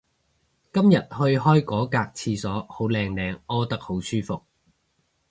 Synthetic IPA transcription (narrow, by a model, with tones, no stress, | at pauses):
kɐ˥mjɐ˨t̚hɵ˧ɥɦɔː˥jkɔː˨˥kaː˧k̚t͡sʰiː˧sɔː˨˥ho˨˥wlɛː˧ŋlɛː˧ŋɔː˥t̪ɐ˥k̚ho˨˥wsyː˥fʊ˨k̚